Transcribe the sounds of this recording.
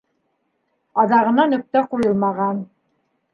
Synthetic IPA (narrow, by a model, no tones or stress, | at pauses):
ɑðɑʁɤ̆nɑnɵ̆k̚t̪æquɾɤlˠmɑʁɑn